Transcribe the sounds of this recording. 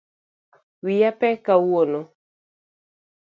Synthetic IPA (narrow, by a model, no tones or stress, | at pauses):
wijapɛkawuono